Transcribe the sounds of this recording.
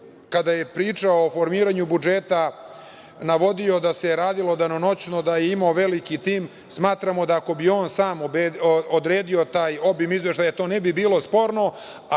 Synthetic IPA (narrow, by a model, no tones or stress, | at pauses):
kad̪aje̞pɾiːt͡ʂaofo̞ɾmiːɾaɲubud͡ʒet̪a | naʋo̞d̪io̞d̪aseɾaːd̪ilo̞d̪anono̞t͡ɕno̞d̪ajeimaoʋe̞likit̪iːm | smaːt̪ɾamo̞d̪aːko̞bio̞ːnsaːmobod̪ɾeːd̪io̞t̪aːjo̞bimizʋe̞ʃt̪ajat̪oːnebibiːlˠo̞spo̞ɾno̞